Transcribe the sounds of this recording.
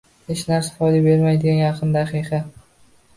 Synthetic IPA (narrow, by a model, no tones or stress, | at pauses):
het͡ʃnaɾsḁfɒd̪abe̞ɾmajd̪ɪɡʲanjɑqʰɨnd̪aqijqɑ